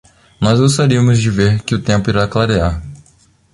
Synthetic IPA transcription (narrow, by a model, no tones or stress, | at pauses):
nɔzɡost̪aɾiɐmʊzd͡ʒɪveɾkɪʊt̪ẽpʊiɾaklaɾeaɾ